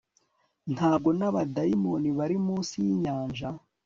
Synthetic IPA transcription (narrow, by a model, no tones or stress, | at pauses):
n̥haːb̚ɡo̞naβadaimo̞niβaɾimuːsijiɲaːɲʒa